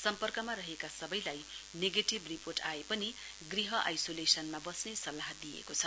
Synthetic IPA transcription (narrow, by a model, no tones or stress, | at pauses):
sʌmpʌrkʌmaɾʌɦekasʌbʌjlajneɡeʈibriporʈaepʌni | ɡriɦʌʔa̰jsolesʌnmabʌsnesʌlːaɦd̪ijḛkot͡sʰʌ